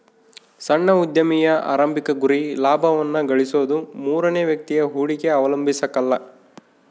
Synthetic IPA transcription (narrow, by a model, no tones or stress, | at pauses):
sɐɳːɐud̪jɐmijɐa̰ːɾɐmbikɐɡuɾilaːbʱɐʋɐnːɐɡɐɭisoːd̪umuːɾɐneːʋjɐk̚t̪ijɐɦuːɽikeɐʋɐlɐmbʱisɐkɐlːɐ